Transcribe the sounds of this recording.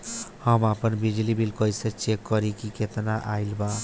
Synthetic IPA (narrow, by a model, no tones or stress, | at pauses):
həmapənbid͡ʒlibilkʌjset͡ʃekːɔɾikiket̪naʔailba